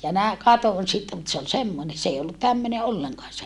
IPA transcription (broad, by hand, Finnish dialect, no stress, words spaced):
jɑ næ kɑton sitːe mut se ol semːone s ei olːut tæmːøne olːeŋkɑːn se